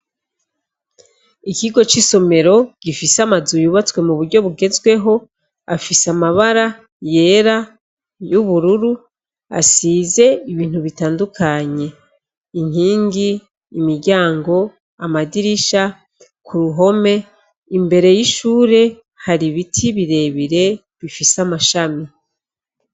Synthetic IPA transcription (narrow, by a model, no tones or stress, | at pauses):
ikiɡo̞t͡ʃiso̞me̞ɾo̞ɡ̥ifisamazujuβat͡swe̞muβuɾɟo̞βuɡe̞zɡwe̞ɦo̞ | afisamaβaɾa | je̞ːɾa | juβuɾuɾu | a̰size̞iβiːn̥huβitaːndukʰaɲe̞ | iɲ̥iːŋɡiː | miɾɟaːŋɡo̞ | amadiɾiʃa | kʰuɾuɦo̞me̞ | imbe̞ɾe̞jiʃuːɾe̞ | haɾiβitʰiβiɾe̞βiɾe̞ | βifisamaʃami